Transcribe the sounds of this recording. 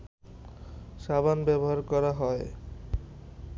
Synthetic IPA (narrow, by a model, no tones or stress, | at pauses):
ʃabanbɛboɦaɾkɔɾaɦɔe